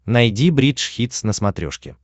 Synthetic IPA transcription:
nɐjdʲibɾʲitʂxʲit̪snəsmɐt̪ɾʲo̰ʂkʲɪ̰

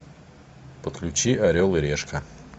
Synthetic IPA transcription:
pət̪klʲʉt͡ɕiʔɐɾʲolˠɪɾʲeʂkɐ

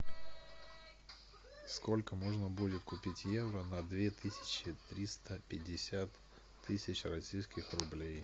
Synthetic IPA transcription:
sko̞lʲkəmoʐnəbudʲɪt̪kʊpʲitʲjevɾənɐd̪vʲe̞t̪ɨsʲɪ̥t͡ɕɪt̪ɾʲist̪əpʲɪdʲːɪsʲat̪ʰː | ɨsʲɪt͡ɕrɐsʲijskʲɪxrʊblʲej

